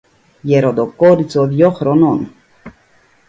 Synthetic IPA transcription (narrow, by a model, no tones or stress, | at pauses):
jɛɾod̪okoɾit͡soðjoxɾonon